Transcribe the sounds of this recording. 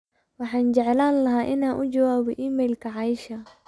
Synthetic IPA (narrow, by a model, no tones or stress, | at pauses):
wɑħɑːnt͡ʃɛʕɛlaːnlɐɦaːʔɪnaːʔʊt͡ʃɐwaːβɔ̰ʔiːmɛːjlkʰɐʕɑɪʃɐ